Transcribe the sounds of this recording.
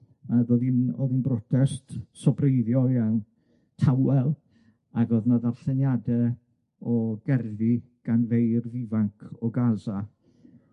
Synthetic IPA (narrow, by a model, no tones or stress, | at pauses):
aɡɔðinɔ̰ðinbrɔtʰɛstsɔbreɨðjɔjan | tʰawɛlˠ | aɡɔðnaðarθɛnjadɛ | ɔɡ̥ɛrði | ɡ̥anvejrðɪvaŋkʰɔɡaza